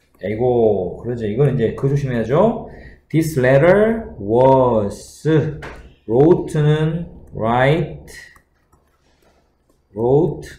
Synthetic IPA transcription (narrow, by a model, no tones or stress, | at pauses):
jaiɡokɯɾʌd͡ʑoiɡʌnind͡ʑe̞kɯd͡ʑoɕʰimiɦad͡ʑotisɭeɾəɭwʌsɯ | ɾotʰɯnɯnɾajtʰ | ɾotʰ